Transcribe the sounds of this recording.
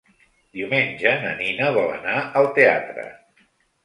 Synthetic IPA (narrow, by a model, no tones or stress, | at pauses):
d̪̥iumenʲʒənə̰ninəβ̞ɔlə̰naəlˠt̪ea̰t̪ɾə̰